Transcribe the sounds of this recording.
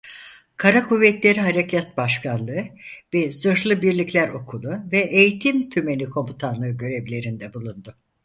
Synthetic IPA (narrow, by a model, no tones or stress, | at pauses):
kʰaɾakʰuvːɛt̪lʲe̞ɾiɦaɾecʰat̪̚baʃkʰanlˠɯɯvɛsɯɾlˠɯbiɾlʲiclʲæɾo̞kʰulˠuvɛʔejit̪ʰimt̪ʰyme̞nikʰo̞mbut̪ʰanlˠɯːɟø̞ɾevlʲe̞ɾind̪ɛbulˠund̪ʊ